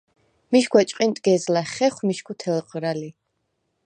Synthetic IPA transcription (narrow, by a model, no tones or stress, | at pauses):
miʃɡʰwɛt͡ʃʼqʼint̪ʼɡ̥ɛzlaχɛχʷwmiʃkʰut̪ʰɛlqʼɾali